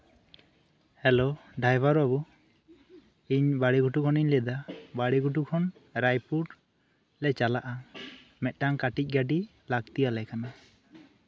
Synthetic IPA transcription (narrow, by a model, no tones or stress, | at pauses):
hɛloɖajbaɾabu | iɲbaɽiɡuʈukʰɔniɲlɛd̪abaɽiɡuʈ̬ukʰɔnɾajpuɖ | lɛt͡ʃalaʔa | mɛt̪̚ˀʈaŋkaʈic̚ˀɡaɖi | laɡt̪ijalɛkana